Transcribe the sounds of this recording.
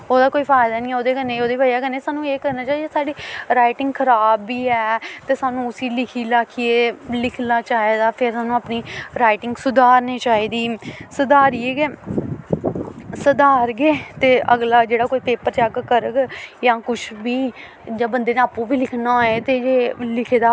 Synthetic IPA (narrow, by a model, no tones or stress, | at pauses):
oːd̪aːkoːiːpʰaːɪd̪aːnĩːɛoːd̪eːkənːẽːoːd̪eːbaːjaːɡəneːsaːnũːeːkəɾnaːt͡ʃaːiːeːsaːɖiːɾaːɪʈɪ̃ŋɡkʰəɾaːbːiːɛːt̪eːsaːnũːʊsiːlɪkʰiːlaːkʰijeːlɪkʰnaːt͡ʃaːeːd̪aːpʰɪɾsaːnũːəpniːɾaːɪʈɪŋɡsʊd̪aːɾneːt͡ʃaːiːd̪iːsəd̪aːɾieːɡeː | səd̪aːɾɡeːt̪eːʔəɡlaːd͡ʒeːɽaːkoːiːpeːpəɾt͡ʃaɡkəɾəɡjãːkʊt͡ʃʰʋiː | d͡ʒãːbənd̪eːneaːpũːbiːlɪkʰnaːeːt̪eːd͡ʒeːlɪkʰeːd̪aː